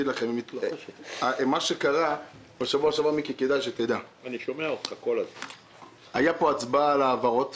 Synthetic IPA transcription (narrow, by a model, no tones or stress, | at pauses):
id̪laχem | amaʃekaʁa | baʃavuaʃavuamikiked̪ajʃet̪ed̪aaniʃomeaot̪χakolazman | ajapo̞at͡sbalaːvaʁo̞t̪